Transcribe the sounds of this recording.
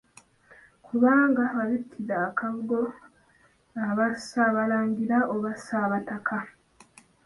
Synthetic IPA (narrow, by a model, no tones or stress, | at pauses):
kʰuβaːŋɡaβaβitʰːizaːkaɡo | aβasaβalaːɲɟiɾaʔoβasaβatakʰa